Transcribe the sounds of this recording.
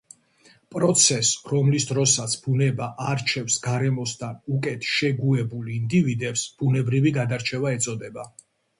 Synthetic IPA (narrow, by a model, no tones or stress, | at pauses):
pʼɾɔt̪sʰɛsɾɔmlisd̪ɾɔsat̪sʰb̥unɛbaʔaɾt͡ʃʰɛfsɡaɾɛmɔst̪ʰanukʼɛt̪ʰʃɛɡuɛbulind̪ivid̪ɛpsb̥unɛbɾiviɡad̪aɾt͡ʃʰɛvaɛt̪sʼɔd̪ɛba